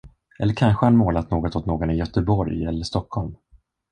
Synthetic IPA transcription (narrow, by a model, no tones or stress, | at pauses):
ʔɛlːəɾkʰanɧəhanmoːlat̪noːɡɔt̪ot̪noːɡɔnɪjœt̪əbɔɾjɛlːəʂt̪ɔkhɔlm